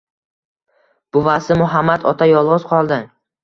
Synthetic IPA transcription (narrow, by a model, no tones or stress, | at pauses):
b̥ʊvasɪmʊɦamːat̪ɒt̪ʰajɒlˠʁɨzqʰɒlˠd̪ɪ